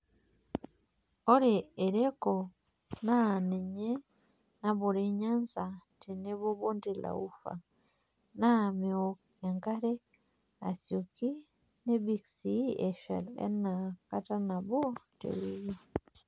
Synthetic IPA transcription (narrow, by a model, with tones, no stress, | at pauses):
o˦ɾe˨e˨ɾe˦ko˨ | na˦ne˨ɲe˦ | na˦βu˨ɾi˦ɲa˦nza˨ti˨ne˦βo˦βo˦ndi˨la̰˨u˦fa̰˨ | na˦meo | e˨ŋka˦ɾe˦ | a˨sju˨ki˦ | ne˦βi˨ksi˦e˨ʃa̰˨lḛ˦na˨ka˦ta˦na˨βo˦tḛ˨βi˦βi˦